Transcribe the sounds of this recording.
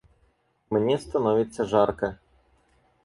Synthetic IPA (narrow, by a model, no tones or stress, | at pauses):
mnʲɛst̪anɔvʲit̪sːɐʐarkɐ